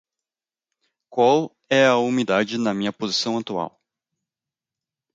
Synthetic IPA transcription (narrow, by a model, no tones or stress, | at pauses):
kwaw | ɛɐumid̪ad͡ʒɪnɐmĩɲɐpozisɐ̃w̃at̪ua̰w